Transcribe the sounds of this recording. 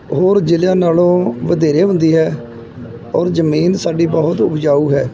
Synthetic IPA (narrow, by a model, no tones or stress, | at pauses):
ɦoːɾd͡ʒɪlɪjãːnaːlõːʋəd̪eːɾeːɦʊ̃nd̪iːɦɛː | ɔːɾd͡ʒəmiːnsaːɖiːbɔɦʊt̪ʊbd͡ʒaːuːɦɛː